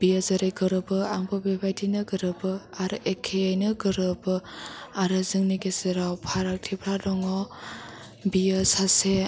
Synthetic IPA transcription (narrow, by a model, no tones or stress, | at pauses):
b̥ijazaɾeɡɯɾɯbɯaŋbʰɔbebʱajdʰinɯɡɯɾɯbɯaɾʔekʰeajnɯɡɯɾɯbɯaɾɯzɯŋniɡeseɾawpʰaɾak̚tʰipʰɾadɔŋɔ | bijɯsase